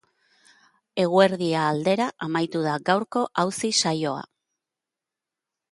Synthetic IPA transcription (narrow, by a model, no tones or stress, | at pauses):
e̞ɣ̞ue̞ɾðiaːld̪e̞ɾaʔamajt̪uð̞aɡawɾko̞ʔawsisajo̞a̰